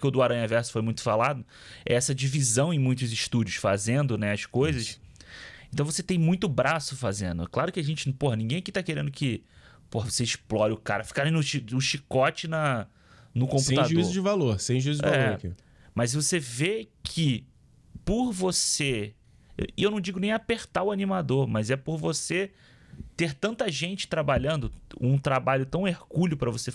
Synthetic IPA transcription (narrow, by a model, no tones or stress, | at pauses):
kɪʊd̪ʊaɾɐ̃ɲɐvɛɾsʊ̥fojmũj̃t̪ʊfalad̪ʊ | ɛ̰ɛsɐd͡ʒivizɐ̃w̃ẽj̃mũj̃t̪̬ʊzɪʃt̪ud͡ʒʊsfazẽnd̪ʊnɛɐskojzɐs | ẽt̪ɐ̃w̃voset̪ẽj̃mũj̃t̪ʊbɾasʊfazẽnd̪ʊklaɾʊkɪaʒẽnt͡ʃɪpoɦɐnĩɡẽj̃kɪt̪akeɾẽd̪ʊkɪ | pohɐvoseɪʃplɔɾɪʊkaɾɐfi̥kaɾẽj̃nʊʃinʊʃikɔt͡ʃɪnɐ | nʊkõpuẽt̪adʒuizʊzd͡ʒɪvaloɾsẽj̃ʒuizʊd͡ʒvaɛoɾkḭ | mɐzvosevekʰɪ | pʊɾvosḛ | ewnɐ̃w̃d͡ʒiɡʊnẽj̃apeɾt̪aʊanimad̪oɾmɐzɛpoɾvose | t̪eɾt̪ɐ̃nt̪ɐʒẽnt͡ʃɪ̥t̪ɾabaʎɐ̃nd̪ʊũt̪ɾabaʎʊt̪ɐ̃w̃ehɡuʎʊpɾɐvose